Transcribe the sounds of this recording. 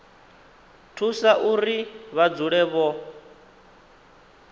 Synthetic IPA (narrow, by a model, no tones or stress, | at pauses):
tʰusaʔuɾiβad͡zuɺɛβɔ